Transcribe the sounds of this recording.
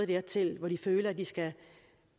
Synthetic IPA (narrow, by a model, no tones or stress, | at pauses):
d̥eɐt͡sʰe̝lʋɒdiføːlɐæd̥isɡ̥æ